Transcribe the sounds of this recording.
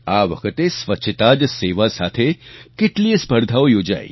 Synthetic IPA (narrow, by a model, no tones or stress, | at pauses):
aːʋɐkʰət̪esʋɐtːʃʰət̪aːd͡ʒseːʋasaːt̪ʰekɪʈliespɐɾd̪ʱaːʋjoːd͡ʒa̰ːḭ